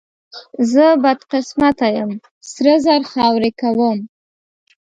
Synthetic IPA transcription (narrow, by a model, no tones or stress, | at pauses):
zəbad̪qɪsmat̪ajəm | sɾəzaɾxɑwɾekawəm